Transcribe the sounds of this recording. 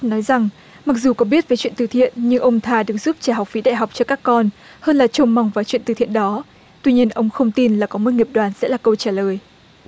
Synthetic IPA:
nɔ˨˦jza˨˩ŋ | ma˨˩k̚zu˨˩kɔ˨˦ɓi˦˥ət̚və˨˦t͡ɕwi˧˨nt̪ɨ˨˩t̪ʰḭ˧˨ənɲɨ˧ŋʔə˧wŋ͡mt̪ʰaː˧ɗɨ˨˩ək̚z̥uː˦˥p̚t͡ɕaː˧˩ɦa˨˩wk͡p̚fi˨˦ɗa̰ː˧˨jɦa˨˩wk͡p̚t͡ɕɔ˧kaː˦˥kːɔ˧nhəː˧nlaː˨˩t͡ɕə˧wŋ͡mma˧wŋ͡mvaː˨˩t͡ɕwḭ˧˨nt̪ɨ˨˩t̪ḭ˧˨ənɗɔ˨˦ | t̪wi˧ɲi˧ənʔə˧wŋ͡mxə˧wŋ͡mt̪i˧nlaː˨˩kɔ˨˦mo˨˦˥t̚ŋi˨˩p̚ɗwaː˨˩nsɛ̰˧˥laː˨˩kə˧wt͡ɕaː˧˩ləː˨˩j

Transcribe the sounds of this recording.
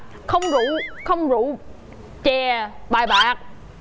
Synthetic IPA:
xə˧wŋ͡mzu˧˥xə˧wŋ͡mzu˧˥ | t͡ɕɛ˨˩ɓaː˨˩jɓaː˨˦k̚

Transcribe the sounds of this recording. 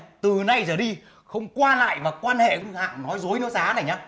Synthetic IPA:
t̪ɨ˨˩na˧jzəː˨˩ɗi˧ | xə˧wŋ͡mkwaː˧la̰ː˧˨jmaː˨˩kwaː˧nhḛ˧˨kha̰ː˧˨ŋnɔ˨˦jzo˨˦jnɔ˨˦zaː˨˦na˨˩jɲaː˨˦

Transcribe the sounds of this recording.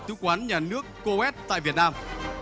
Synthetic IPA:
sɨ̰˨˧˦kwaː˨˦nɲaː˨˩nɨ˦˥əkːo˧ɛ˦˥t̚t̪a̰ː˧˨jvi˨˩ət̚naː˧m

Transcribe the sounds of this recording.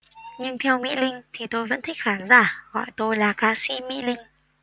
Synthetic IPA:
ɲɨ˧ŋt̪ʰɛ˧wmḭ˧˥lï˧ŋ̟t̪ʰi˨˩t̪o˧jvə̰˧˥nt̪ʰi˦˥k̚xaː˨˦nzaː˧˩ɣɔ̰˧˨jt̪o˧jlaː˨˩kaː˧sḭ˧˥mḭ˧˥lï˧ŋ̟

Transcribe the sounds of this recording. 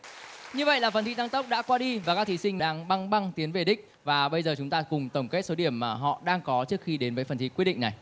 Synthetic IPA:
ɲɨ˧və̰˧˨jlaː˨˩fə˨˩nt̪i˧˥t̪a˧ŋt̪ə˦˥k͡p̚ɗa̰ː˧˥kwaː˧ɗi˧vaː˨˩kaː˦˥k̚t̪i˨˦sï˧ŋ̟mɗaː˧ŋɓa˧ŋɓa˧ŋt̪i˨˦ənve˨˩ɗï˦˥k̟̚ | vaː˨˩ɓə˧jzəː˨˩t͡ɕʊ˨˦ŋ͡mt̪aː˧kʊ˨˩ŋ͡mt̪ə˧˩wŋ͡mke˦˥t̚so˨˦ɗi˧˩əmːaː˨˩ɦɔ̰˧˨ɗaː˧ŋkɔ˨˦t͡ɕɨ˦˥ək̚xi˧ɗe˨˦nvəː˨˦jfə˨˩nt̪ʰḭ˧˥kwt̚ɗ̰ḭ˧˨ŋna˨˩j

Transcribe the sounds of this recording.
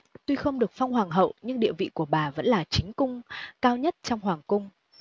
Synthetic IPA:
t̪u˧xə˧wŋ͡mɗɨ˨˩ək̚fa˧wŋ͡mɦwaː˨˩ŋɦə̰˧˨wɲɨ˧ŋɗḭ˧˨əvḭ˧˨ku˧˩əɓaː˨˩və̰˧˥nlaː˨˩t͡ɕï˨˦ŋ̟kʊ˧ŋ͡mkaː˧wɲə˦˥t̚t͡ɕɔ˧wŋ͡mɦwaː˨˩ŋkʊ˧ŋ͡m

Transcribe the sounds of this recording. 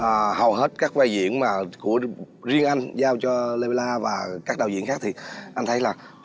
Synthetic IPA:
ʔəː˨˩hə˨˩wɦe˦˥t̚kaː˦˥k̚va˧jzḭ˧˨ənmaː˨˩ku˧˩˥ə | zi˧əŋʔa˧jŋ̟zaː˧wt͡ɕɔ˧le˧ɓa˧laː˧vaː˨˩kaː˦˥k̚ɗaː˨˩zḭ˧˨ənxaː˦˥k̚t̪ʰi˨˩ʔa˧ŋ̟t̪ʰə˨˦jlaː˨˩

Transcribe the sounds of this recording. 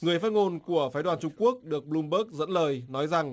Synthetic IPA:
ŋɨ˨˩əjfaː˦˥t̚ŋo˧nku˧˩əfaː˨˦ɗwaː˨˩nt͡ɕʊ˧ŋ͡mku˦˥ək̚ɗɨ˨˩ək̚ɓlu˧mɓəː˦˥k̚zə̰˧˥nləː˨˩jnɔ˨˦jza˨˩ŋ

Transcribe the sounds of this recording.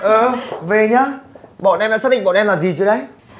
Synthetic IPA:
ʔəː˨˩ve˨˩ɲaː˧˥ɓɔ̰˧˨nʔɛ˧mɗa̰ː˧˥saː˦˥ɗï˧˨ŋɓɔ̰˧˨nʔɛ˧mlaː˨˩zi˨˩t͡ɕɨ˧˦ɗə˨˦j

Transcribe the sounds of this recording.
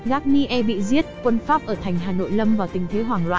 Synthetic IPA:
ɣaː˦˥k̚ni˧ʔɛ˧ɓḭ˧˨zi˦˥ət̚kwə˧nfaː˦˥p̚ʔəː˧˩t̪ʰa˨˩jŋ̟ɦaː˨˩no̰˧˨jlə˧mvaː˨˩t̪ï˨˩ŋ̟t̪ʰe˨˦ɦwaː˨˩ŋlwa̰ː˧˨

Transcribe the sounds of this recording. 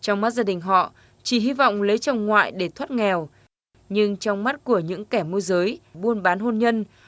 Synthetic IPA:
t͡ɕɔ˧wŋ͡mma˦˥t̚zaː˧ɗï˨˩ŋ̟ɦɔ̰˧˨ | t͡ɕi˧˩ɦi˧vɔ̰˧˨wŋ͡mlə˨˦jt͡ɕə˨˧˩wŋ͡mŋwa̰ː˧˨jɗe˧˩t̪ʰwə˦˥t̚ŋɛ˨˩w | ɲɨ˧ŋt͡ɕɔ˧wŋ͡mma˦˥t̚ku˧˩əɲɨ̰˧˥ŋkɛ˧˩mu˧əzəː˨˦jɓu˧ənɓaː˨˦nɦo˧nɲə˧n

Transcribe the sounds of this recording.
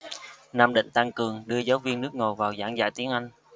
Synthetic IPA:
naː˧mɗḭ̈˧˨ŋ̟t̪a˧ŋkɨ˨˩əŋɗɨ˧əzaː˨˦wvi˧ənːɨ˦˥ək̚ŋo˨˩vaː˨˩wzaː˧˩ŋza̰ː˧˩jt̪i˨˦əŋʔa˧jŋ̟

